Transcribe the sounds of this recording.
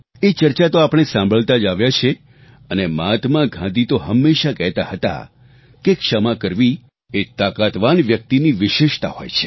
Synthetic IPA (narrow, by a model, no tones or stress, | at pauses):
et͡ʃəɾt͡ʃat̪oapɳ̃esãmbʱəɭt̪ad͡ʒaʋjat͡ʃʰe | ənemat̪mãɡʱãd̪it̪oɦəmːeʃakɛɦt̪ahət̪a̰ | kekʂəmakəɾʋi | et̪akat̪ʋanʋjək̚t̪iniʋɪʃeʃt̪a̰ɦo̰jt͡ʃʰe̥